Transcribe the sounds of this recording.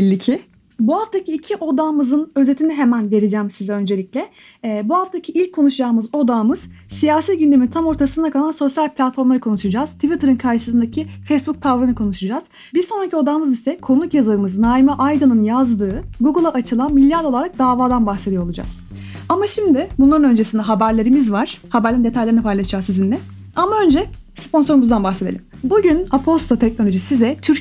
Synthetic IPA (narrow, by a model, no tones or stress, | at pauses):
ɛlʲːicʰi | buɦaft̪ʰacʰiːcʰiʔo̞d̪aːmɯzɯnø̞ze̞t̪ʰiniɦe̞mænve̞ɾed͡ʒæːmsizɛø̞nd͡ʒeiclʲɛ | buhaft̪ʰacʰiilʲcʰːo̞nuʃud͡ʒaːmɯzo̞d̪aːmɯz̥sijaːsit̪ɟynd̪e̞mint̪ʰamo̞ɾt̪ʰasɯnakʰalˠanʲso̞sjalʲpʰʲlʲat̪fo̞ɾmlˠaɾɯkʰo̞nuʃud͡ʒaːz̥t̪ʰivit̪ʰɯɾɯnkʰaɾʃɯ̥sɯnd̪acʰifejsbuk̚t̪ʰavɾɯnɯkʰo̞nuʃud͡ʒaːz̥ | biɾso̞nɾacʰio̞d̪aːmɯzisɛkʰo̞nukjazlaɾɯmɯznaːimaʔajd̪ɯnɯnjazd̪ɯːɡuɡɯlˠaʔat͡ʃʰɯlˠanmilʲːjaɾd̪o̞lˠaɾak̚d̪aːvaːd̪anbaxse̞d̪ijoolˠud͡ʒa̰z̥ | amaʃimd̪ɪbunlˠaɾɯnø̞nd͡ʒe̞sind̪ɛɦabæɾlʲe̞ɾimizvaɾ̥habæɾlʲeɾind̪e̞t̪ʰajlʲeɾinipʰajlˠaʃd͡ʒaːzizind̪ɛ | amaø̞nd͡ʒɛ | spʰo̞nso̞ɾumuzd̪anbaxsed̪elʲimbuɟynapʰo̞st̪ʰo̞t̪ʰɛc̚no̞lʲo̞ʒisizɛt̪ʰyɾ